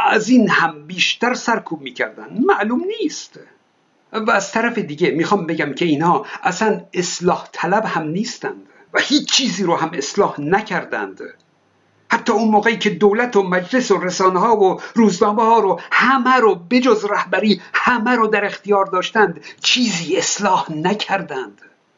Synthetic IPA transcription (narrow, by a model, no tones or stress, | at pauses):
æziːnhæmbiːʃt̪æɾsæɾkʰuːb̚miːcʰæɾd̪ænd̪mæʔluːmniːst̪ | væːz̥t̪ʰæɾæfe̞d̪iːɡe̞miːxɒːmbe̞ɡæmkʰe̞iːnhɒːʔæsæneslɒːht̪ʰælæbhæmniːst̪ænd̪̥ | væhiːt͡ʃt͡ʃʰːiːziːɾohæme̞slɒːhnækʰæɾd̪æ̰nd̪̥ | hæt̪ʰːɒːunmoːɣeiːcʰe̞d̪owlæt̪ʰomæd͡ʒle̞soɾesɒːneɦɒːvoɾuːznɒːmehɒːɾohæmæɾobe̞d͡ʒozræhbæɾiːhæmæɾod̪æɾe̞xt̪ijɒːɾd̪ɒːʃt̪ænd̪t͡ʃʰiːziːe̞slɒːhnæcʰæɾd̪ænd̪̥